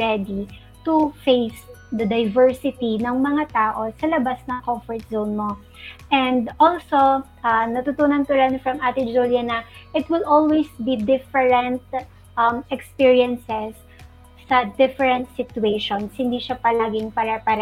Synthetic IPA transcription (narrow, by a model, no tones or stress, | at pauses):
ɹɛd̪i | t̪ʊfejs | d̪ɐd̪ɐjvɛɹsɪt̪inɐŋmɐŋat̪aːʔo̞sɐlɐbasnɐŋkɔmfɔɹt̪̚zownmo̞ | ʔɛnd̪ʔolsoʔɐnɐt̪ut̪uːnɐnt̪ʊɾɐnfɾɐmʔaːt̪ɪd͡ʒuljɐnɐʔɪt̪wɪlʔolwejsbid̪ɪfɛɹɛ̃nt̪̚ | ʔɐmɛkspiɹiɐnsɛsː | ɐd̪ɪfɛɹɛnt̪̚sɪt̪ʊeʃonshɪnd̪iʃapɐlaːɡɪŋpɐɾɐpɐɾ